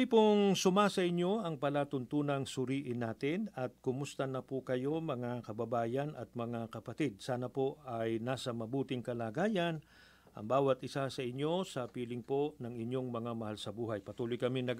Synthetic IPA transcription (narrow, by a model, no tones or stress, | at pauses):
ipʊŋsʊmasɐʔɪɲo̞ɐŋpɐlat̪ʊnt̪uːnɐŋsʊɾiːʔɪnːaːt̪ɪnɐt̪̚kʊmʊst̪ɐnɐpʊkɐjo̞mɐŋakɐbɐbaːjɐnɐt̪̚mɐŋakɐpɐt̪id̪̚saːnɐpo̞ʔɐjnaːsɐmɐbuːt̪ɪŋkɐlaːɡaːjɐn | ʔɐ̰ŋbaːwɐt̪ʔɪsasɐʔɪɲːo̞sɐpiːlɪŋpo̞nɐŋɪɲo̞ŋmɐŋamɐhalsɐbuːɦɐjpɐt̪uːlʊjkɐminɐɡ